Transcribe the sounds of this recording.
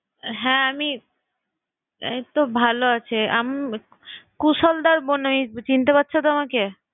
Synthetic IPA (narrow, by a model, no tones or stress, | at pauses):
ɦɛ̃ami | ḛt̪obʱaloat͡ɕʰea̰m | kusɔld̪aɾbonamit͡ɕint̪epat̪ːɕʰot̪̬oamake